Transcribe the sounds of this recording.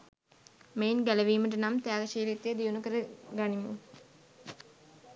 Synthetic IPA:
meːnɡæləʋiːməʈ̬ənamt̪ejaːɡəʃiːlit̪jed̪ijunukəɾəɡanimṵ

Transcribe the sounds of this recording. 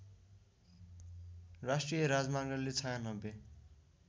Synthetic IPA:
rasʈrijʌɾad͡zmaŋɡʌllet͡sʰajanʌbe

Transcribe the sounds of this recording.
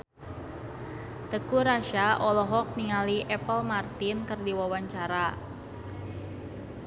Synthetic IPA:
t̪əkuɾaʃaʔɔlɔɦɔk̚niŋaliʔɛpəlmart̪ɪnkərdiwawaɲt͡ʃaɾa

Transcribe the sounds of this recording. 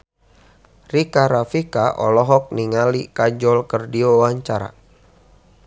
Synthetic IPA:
rikaɾafikaʔɔ̰lɔɦɔk̚niŋalikad͡ʒɔlkərdiowaɲt͡ʃaɾa̰

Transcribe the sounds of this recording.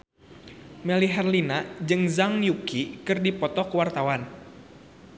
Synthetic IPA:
mɛliɦɛrlinad͡ʒɨŋzaŋjukikɨrdipɔt̪ɔkəwart̪awan

